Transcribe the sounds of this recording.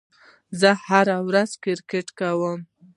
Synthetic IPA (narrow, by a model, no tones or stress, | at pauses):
zəhaɾawɾazkɪɾkeʈkawəm